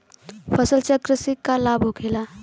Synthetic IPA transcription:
pʰəsəlt͡ʃəkɾəsikːalabʱɦokʰela

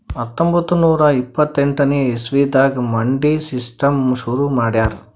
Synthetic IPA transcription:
ɐt̪ːombʱɐt̪ːunuːɾɐipːɐt̪ːeɳʈɐneesʋiːd̪aːɡɐmɐɳɖisisʈɐmʃuɾumaːɽjaːɾ

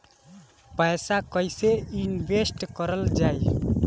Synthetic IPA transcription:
pəjsakəjseinbesʈkəɾəld͡ʒaj

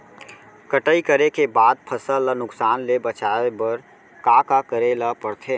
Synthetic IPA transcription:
kəʈəikəɾekebaːd̪̚pʰəsələnʊksaːnlebət͡ʃaebəɾ | kakakəɾeləpəɾt̪ʰe

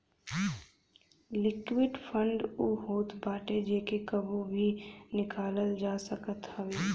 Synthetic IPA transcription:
lɪkwɪɖfʰə̃ɳɖuːɦoːt̪baːʈed͡ʒeːkekɐbobʱinɪkaːləld͡ʒaːsəkət̪hɐʋeː

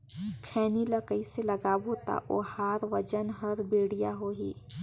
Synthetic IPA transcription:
kʰɛːniləkəiselɐɡaːboːt̪a̰ʔo̰ːhaːɾʋɐd͡ʒənɦɐɾbeːɽijaɦoːɦḭː

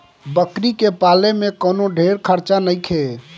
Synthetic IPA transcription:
bəkɾikepalemekənoɖʱeɾkʰəɾt͡ʃanəjkʰe

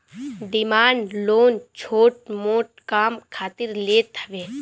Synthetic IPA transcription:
ɖɪmaːnloːnt͡ʃʰoːʈ̚moːʈ̚kaːmkʰaːt̪ɪɾleːt̪əʋeː

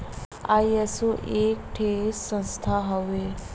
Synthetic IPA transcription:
ajesoʔek̚ʈʰesə̃nst̪ʰaɦəʋe

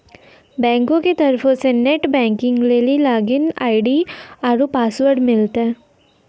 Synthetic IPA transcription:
bɛ̃ːŋkõket̪ɐɾfʰõseneʈbɛ̃ːŋkɪ̃ŋɡleːlilaːɡɪna̰ːɪɖiaːɾupaːsʋəɾɖmɪlt̪ɦɛː

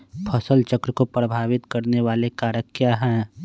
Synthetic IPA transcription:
pʰɐsəlt͡ʃəkɾəkopɾəbʱaːʋɪt̪kɐɾneʋaːlekaːɾəkːjaːɦɛ̃ː

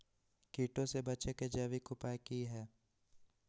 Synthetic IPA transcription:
kiːʈõsebɐt͡ʃeked͡ʒɛːʋikʊpaːikiɦɛː

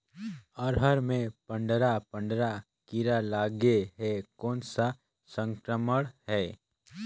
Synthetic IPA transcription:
ɔɾɦəɾmẽpə̃ɳɖɾapə̃ɳɖɾa | kiɾalaːɡeɦɛːkɔːnsa | sə̃ŋkɾəməɽ̃ɦɛː

